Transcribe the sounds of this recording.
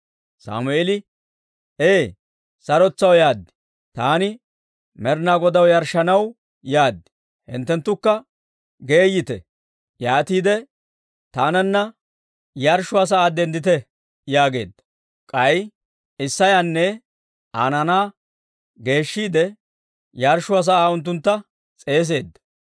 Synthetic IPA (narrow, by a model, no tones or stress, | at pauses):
sa̰ːmʊʔelɪ | eː | sɐɾɔt͡sːɐwjaːd̪ːɪ̥ | t̪aːnɪ | mɛɾnaːɡɔd̪ɐwjɐɾʃɐnɐw | jaːd̪ːɪ̥ | hɪ̰nt̪ːɛnt̪ːʊkːɐ | ɡe̞ːjːɪt̪ɛ̰ | jaːt̪iːd̪ɛ | t̪aːnɐnːɐ | jɐɾʃʊaːs̬ɐaːd̪ɛnd̪ɪt̪ɛ | jaːɡe̞ːd̪ːɐ̥ | kʼɐj | ɪsːɐjanːɛ | aːnɐnaː | ɡe̞ːʃːiːd̪ɛ | jɐɾʃʊaːs̬ɐaːʊnt̪̬ːʊnt̪ːɐ | t͡sʼe̞ːs̬e̞ːd̪ːɐ̥